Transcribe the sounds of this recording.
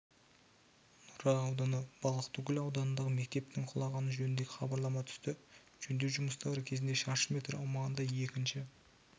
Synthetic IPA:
nʊɾɑːwd̪ɑnəb̥ɑlˠəqt̪ʊkʲɪlɑwd̪ɑnənd̪ɑʁəme̞k̚t̪e̞p̚t̪ɪŋqʰʊlˠɑʁɑnəʒɵnɪnd̪eɡʲɪχɑbɑɾlˠɑmɑt̪ʰʏ̥st̪ɪ | ʒ̥ɵnd̪ewʒʊməst̪ɑɾəkʲʰe̞zɪnd̪e̞ʃɑʃəmʲe̞t̪rɑ̰wmɑʁənd̪ɑje̞kʲɪnʃɪ

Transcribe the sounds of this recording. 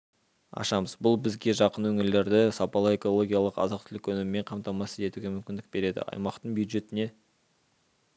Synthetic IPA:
ɑ̰ʃɑməzbʊlˠbɪzɡʲe̞ʒɑqənwɵŋɪɾle̞ɾd̪ɪsɑpɑlˠəe̞ko̞lˠo̞ɡʲijalˠəqɑ̰zɑq̚t̪ʰɪlɪkwɵnɪmɪme̞ɴqʰɑmt̪ɑmɑsəe̞t̪uɡʲe̞mʏmkʲɪnd̪ɪk̚b̥e̞ɾe̞d̪ɪ̰ɑ̰jmɑqt̪əɴbjuwd̪ʒe̞t̪ɪne̞

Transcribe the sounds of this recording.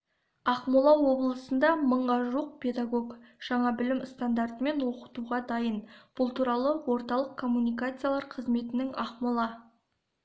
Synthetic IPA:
ɑqmulˠɑwo̞blˠəsənd̪ɑməɴʁɑʒuəq̚pʲʰe̞d̪aɡo̞kʒ̥ɑɴɑbɪlɪmst̪and̪art̪əme̞nwo̞qə̥t̪uʁɑd̪ɑjənb̥ʊlˠt̪ʰuɾɑlˠəwo̞ɾt̪ɑlˠəqkʰo̞mːunijkat̪sɨjalˠɑɾqʰəzme̞t̪ɪnɪŋɑqmulˠɑ

